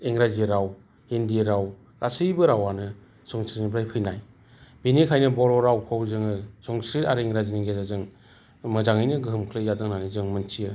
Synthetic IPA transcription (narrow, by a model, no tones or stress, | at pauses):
eŋɾaziɾaw | endieɾaw | ɾasɯjbɯɾawanɯ | sɔŋsɾinibɾajkʰɯjnaj | binikʰajnɯbɔɾɔɾawkʰɯwzɯŋɯsɔŋsɾitaɾɯeŋɾaziniɡezazɯŋ | mɯzaŋɯjnɯɡɯɦɯmkʰɯlɯzadɯŋnanizɯŋmɯnt͡ʃiɯ